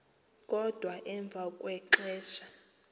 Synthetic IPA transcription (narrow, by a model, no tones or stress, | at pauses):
kʼɔd̥ʱwaʔɛɱb̪vʱakʼwɛǃɛːʃḁ